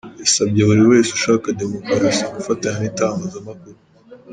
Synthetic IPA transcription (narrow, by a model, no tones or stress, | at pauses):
esabɟeβuɾiwe̞ːsuʃaːkade̞mokɾaɾasiaɡufataɲanintaːŋɡazamakuɾu